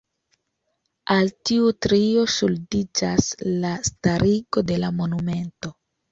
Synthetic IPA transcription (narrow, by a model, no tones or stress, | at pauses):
altiutɾio̞suldid͡ʒaslastaɾʔiɡo̞de̞lamo̞nume̞nto̞